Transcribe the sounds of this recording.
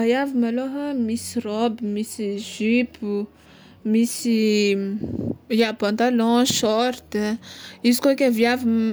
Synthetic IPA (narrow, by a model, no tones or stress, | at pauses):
ajavimaloɦəmisirɔbimisiʒypu | misi | iapãnt̪alɔ̃ʃɔɾt̪ | izikokʲavjavim